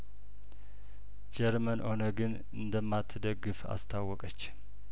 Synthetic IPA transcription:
d͡ʒɛɾmənho̞nəɡɨn | ɨnd̪əmːat̪ʰːɨd̪əɡːɨfa̰st̪ʰawːɔkʼət͡ʃː

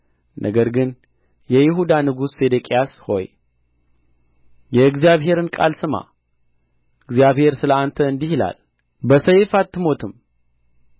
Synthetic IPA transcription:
nʔə̰ɡəɾɡɨn | jɛjɪɦud̪anɨɡusfe̞d̪əkʼijasho̞̰j | jɛɨɡzijaβɦe̞ɾɨnkʼa̰lsɨma̰ | ɨɡzijaβhe̞ɾsɨləant̪ʰəɨnd̪ihila̰l | bəsəjfat̪ʰːɨmo̞t̪ʰɨm

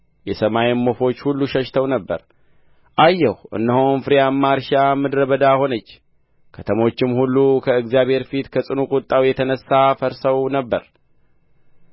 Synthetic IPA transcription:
jɛsəmajɪmːo̞fo̞t͡ʃːhulːuʃəʃt̪ʰəwnəbːə̰ɾ | ʔajːɛhʔɨ̰nːəhonfɨɾijamːaɾʃamɨd̪ɾəβəd̪aho̞nət͡ʃː | kʰət̪ʰəmo̞t͡ʃːɪmhulːukʰəɨɡzijaβhe̞ɾfit̪kʰəsʼɨnukʼʊt̪ʼːawjɛt̪ʰənəsːafəɾsəwnəbːəɾ

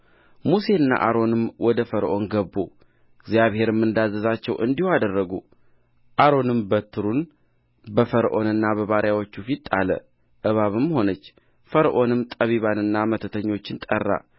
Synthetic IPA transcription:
muse̞ɨnːa̰ʔaɾo̞nɨmwɔd̪əfəɾʔo̞nɡəbːu | ɪɡzjaβhe̞ɾɨmːɨnd̪azːəzat͡ʃːɛwʔɨ̰nd̪ihad̪ərːəɡu | ʔaɾo̞nɨmbət̪ʰːɨɾun | bəfəɾʔo̞̰nɨnːabəβaɾjawot͡ʃːufit̪ʼːalə̰ | ʔɨβaβɨmːho̞nət͡ʃː | fəɾʔo̞nɨmt̪ʼəβiβanɨnːamət̪ʰət̪ʰəɲːo̞t͡ʃːɪnt̪ʼərːa̰

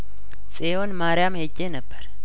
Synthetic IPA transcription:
sʼeonmaɾɪjamhed͡ʒːenəbːəɾ

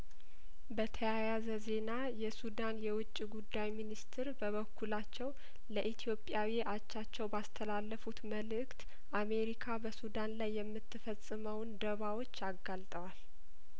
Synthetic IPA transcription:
bət̪ʰəjajazəze̞na | jɛsud̪anjɛwʊt͡ʃʼːiɡud̪ːajminist̪ʰɪɾbəβəkʰːulat͡ʃːɛw | ləʔit̪ʰijo̞pʼjawiʔat͡ʃːat͡ʃːɛwbast̪ʰəlalːəfut̪məlɨkt̪ | ʔame̞ɾikʰabəsud̪anlajːɛmːɨt̪ːɨfəsʼːɨməwnd̪əβawo̞t͡ʃːaɡalt̪ʼəwal

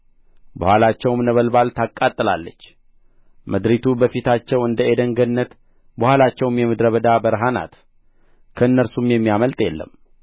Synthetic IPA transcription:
bəhʷalat͡ʃːɛwmnəβəlbalt̪ʰakʼːat̪ʼːɨla̰lːət͡ʃː | məd̪ɾit̪ʰubəfit̪ʰat͡ʃːɛwɨnd̪əed̪əŋɡənːət̪ | bəhʷalat͡ʃːɛwmjɛmɨd̪ɾəβəd̪abəɾɦana̰t̪ | kʰəɨnːəɾsumjɛmːijaməlt̪ʼjɛlːə̰m

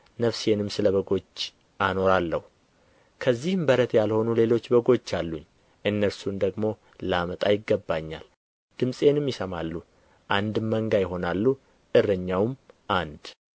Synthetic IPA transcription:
nəfse̞nɨmsɨləβəɡo̞t͡ʃː | ano̞ɾalːəhu | kʰəzːihɨmbəɾət̪jalho̞nule̞lo̞t͡ʃːbəɡo̞t͡ʃːalːuɲː | ʔɨnːəɾsumd̪əɡmo̞ | lamət̪ʼajɪɡːəbːaɲːa̰l | d̪̥ɨmsʼe̞nɨmjɪsəmalːu | ʔand̪ɨmːəŋɡajɪɦo̞nalːu | ʔɨrəɲːawmʔand̪

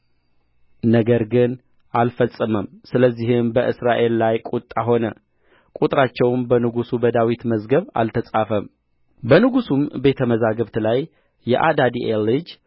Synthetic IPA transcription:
nəɡəɾɡɨn | ʔalfəsʼːəməmsɨləzːihɪmbəʔɨsɾaʔe̞lːajkʼut̪ʼːaɦo̞nə | kʼut̪ʼɾat͡ʃːɛwmbənɨɡusubəd̪awit̪məzɡəβa̰lt̪ʰəsʼafəm | bənɨɡusumbe̞t̪ʰəməzaɡəβt̪lajː | ɛʔad̪ad̪iʔelːɨd͡ʒ

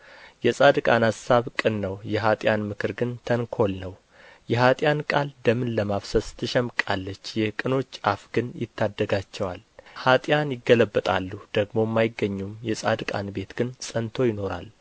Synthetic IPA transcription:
jɛsʼad̪ɨkʼanasaβkʼɨnːəwjɛɦat̪ʼjanmɨkʰɨɾɡɨnt̪ʰəŋkʰo̞lnəw | jɛhat̪ʼjankʼald̪əmɨnləmaβsəst̪ʰːɨʃɛmkʼalːət͡ʃːjɛkʼɨno̞t͡ʃːʔafɡɨnjɪ̰t̪ʰːad̪ːəɡat͡ʃːɛwalhat̪ʼjanjɪɡːələbːət̪ʼalːud̪̥əɡmo̞mːajɪɡːəɲːumjɛsʼa̰d̪kʼa̰nbe̞t̪ɡ̥ɨnsʼənt̪ʰo̞jɪno̞ɾa̰l

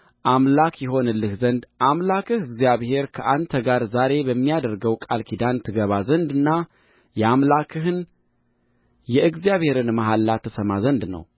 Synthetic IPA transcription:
ʔamlakjɛɦo̞nɨlːɨhzənd̪ʔamlakʰɨhɨɡzijaβhe̞ɾkʰəʔant̪ʰəɡaɾzaɾe̞bəmːijad̪əɾɡəwkʼalkʰid̪ant̪ʰɨɡəβazənd̪ɨnːa | jɛamlakʰɨɦɨn | jɛʔɨɡzijaβhe̞ɾɨnmaɦalːat̪ʰəsəmazənd̪nə̰w

